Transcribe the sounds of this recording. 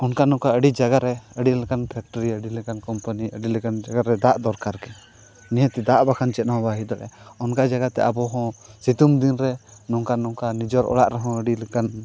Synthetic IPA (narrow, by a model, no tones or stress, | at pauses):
ɔnkanɔ̃kaəɖid͡ʒaɡaɾɛəɖilɛkanpʰɛk̚ʈəɾiəɖilɛkankɔmpəniəɖilɛkand͡ʒaɡaɾɛd̪aʔd̪ɔɾkaɾkɛ | nɛjɛ̃t̪ɛd̪aʔbakʰant͡ʃɛt̪̚naɦɔ̃baɦid̪ɔʔɛ̰ɔnkad͡ʒaɡat̪ɛ̰ʔabɔɦɔ̃sit̪umd̪inɾɛnɔŋkanɔ̃kanid͡ʒɔɾʔɔ̰ɽa̰ʔɾɛɦɔ̃əɖilɛkan